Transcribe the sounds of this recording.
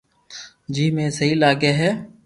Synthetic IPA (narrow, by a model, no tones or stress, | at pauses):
d͡ʒiːmẽːsəɦiːlaːɡeːɦɛː